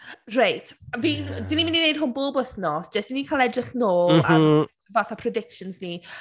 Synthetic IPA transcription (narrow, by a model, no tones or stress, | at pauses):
rajtʰviːnd̥winimɪninejd̥̚ɦʊnboːbəθnɔsd̥ʒ̥əsd̥inikʰalˠɛdrɪχnoːlˠa | vaθapʰrɔdɪkʃɔnzni